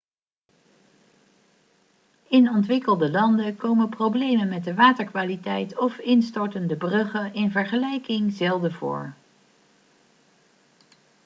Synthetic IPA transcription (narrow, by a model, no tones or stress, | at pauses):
ɪnɔntʋɪkəlˠdəlɑndəkowmənprowblejmənmɛd̚dəʋaːtəɹkʋaːlitɛjtɔfɪnstɔɹtəndəbrøχənʔɪnvəɹχəlɛjkɪŋzɛlˠdəvʊ̰ːɹ